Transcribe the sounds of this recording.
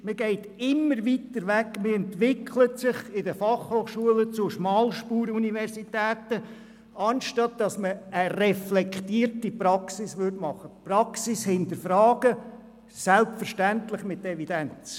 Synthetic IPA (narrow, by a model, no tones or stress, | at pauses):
məɡɛɪt | ɪmːəɾʋit̪əɾʋækməɛnt̪ʋɪkʰlətsɪχɪdəfɑχhoːχʃuələt͡sʊʃmɑːlʃpuːɾuniʋɛɾsitæːt̪ə | ɑnʃtɑt̚d̥ɑsməːrɛflɛkt̪iːɾtipɾɑksɪsʋʏdmɑχəprɑksɪshɪnt̪əɾfɾɑːɡ̥ə | sælpfəɾʃtæntlɪχmɪt̪ɛvid̥ænt͡s